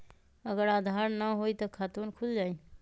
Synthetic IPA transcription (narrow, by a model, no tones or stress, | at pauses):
əɡəɾaːd̪ʱaɾnəɦoit̪ɔkʰaːt̪uːnkʰuld͡ʒaːi